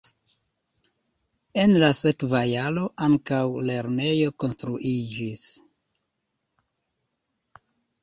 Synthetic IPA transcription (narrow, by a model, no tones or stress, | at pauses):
e̞nlase̞kvajalo̞ʔaŋkawle̞ɾne̞jo̞ko̞nstɾuʔid͡ʒis